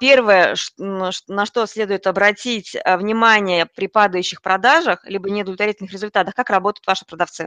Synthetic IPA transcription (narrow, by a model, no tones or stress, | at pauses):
pʲe̞rvəjəʂʂnɐʂt̪o̞sʲlʲe̞d̪ʊjɪt̪ɐbɾɐtʲitʲəvnʲɪmanʲɪjəpɾʲɪpad̪əjʉɕːɪxpɾɐd̪aʐəxlʲibənʲɪd̪əlʲt̪vɐɾʲitʲɪlnxɾʲɪzʊlʲt̪at̪əxkakrɐbo̞t̪əjʊt̪vaʂɨ̥pɾəd̪ɐft̪sɨ